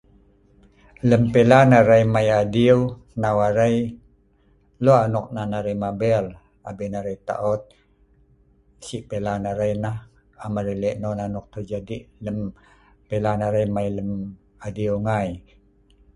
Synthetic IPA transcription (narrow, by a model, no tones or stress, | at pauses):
ləmpelanaɾajmajadiə | nawaɾaj | loanɔk̚nanaɾajmabɛl | abinaɾajt̪a̰ʔɔt̪̚ | siʔpelanaɾajnah | amaɾəleʔnonanɔk̚t̪ərd͡ʒadiʔləm | pelanaɾajmajləm | adiuŋaj